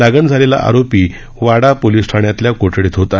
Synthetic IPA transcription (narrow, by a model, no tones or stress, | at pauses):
aɡənd͡zʱalela̰ʔa̰ɾopiː | ʋaɽapoliːsʈʰaɳjat̪ljakoʈʰɽiːt̪ɦot̪a